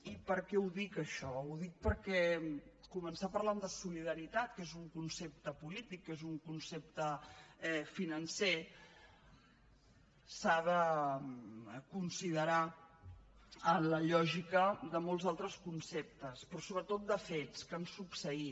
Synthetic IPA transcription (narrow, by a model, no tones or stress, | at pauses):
ipəɾkɛuðikəʃɔuðik̚pəɾkɛkumənsapəɾland̪əsuliðəɾit̪at̪kezuŋkunsep̚t̪əpulit̪ikːezuŋkunsep̚t̪əɛfinənse | saðə | kunsiðəɾa | ənləʎɔʒikəðəmolˠzalˠt̪ɾəskunsep̚t̪əspɾɔsoβɾət̪ot̪̚d̪əfet͡skənsupsəi